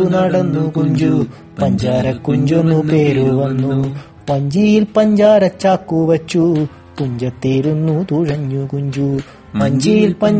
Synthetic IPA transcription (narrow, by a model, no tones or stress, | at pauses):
unaːɽɐnːukuɲd͡ʒu | ppɐɲd͡ʒaːɾɐkːuɲd͡ʒonːupeːɾuʋɐnːu | pɐɲd͡ʒijilpɐɲd͡ʒaːɾɐt͡ʃːaːkːuʋɐt͡ʃːu | kuɲd͡ʒɐt̪ːiːɾunːut̪uɻɐɲːukuɲd͡ʒu | pɐɲd͡ʒijilpɐ